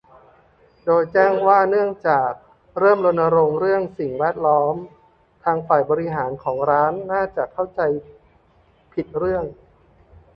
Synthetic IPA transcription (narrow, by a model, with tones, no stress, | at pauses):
doː˧jt͡ɕɛː˥˩ŋwaː˥˩nɯ˥˩əŋt͡ɕaː˨˩k̚ | ɾɤː˥˩mlo˧nːa˧ɾo˧ŋɾɯ˥˩əŋsi˨˩ŋwɛː˥˩t̪̚lɔː˦˥m | t̪ʰaː˧ŋfaː˨˩jbɔː˧ɾi˧˥ɦaː˩˦nkʰɔː˩˦ŋɾaː˦˥nːaː˥˩t͡ɕa˨˩kʰa˥˩wt͡ɕa˧j | pʰi˨˩t̪̚ɾɯ˥˩əŋ